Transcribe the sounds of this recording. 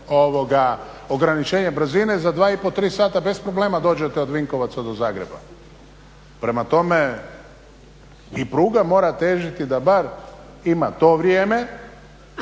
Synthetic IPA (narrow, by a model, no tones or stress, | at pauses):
oʋo̞ɡa | o̞ɡɾanit͡ʃe̞ːɲebɾ̩zine̞zad̪ʋaːipo̞t̪ɾiːsaːt̪abe̞spɾo̞ble̞ːmad̪o̞ːd͡ʑet̪eo̞d̪ʋiŋko̞ʋat̪sad̪o̞zaːɡɾe̞ba̰ | pɾe̞mat̪o̞me̞ | ipɾuːɡamo̞ːɾat̪eːʒit̪id̪abaɾ | imat̪o̞ʋɾjeːme̞